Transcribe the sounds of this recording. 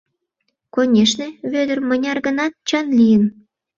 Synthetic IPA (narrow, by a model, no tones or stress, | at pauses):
konʲeʃneβød̪ərmənʲɑrɣənɑt̪̚t͡ɕənlijən